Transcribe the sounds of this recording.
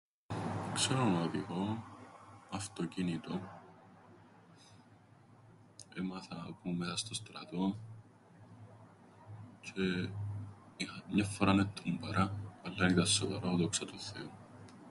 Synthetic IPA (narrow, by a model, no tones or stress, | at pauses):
kseɾonɐðiɣo | ɐft̪ocinit̪o | emɐθɐpumeɐst̪ost̪ɾɐ̰t̪o̞ | t͡ʃe | ixɐmɲɐfːoɾɐnet̪ʰːumbɐɾɐɐlːɐinit̪ɐsːovɐɾaðoksɐt̪uθḛu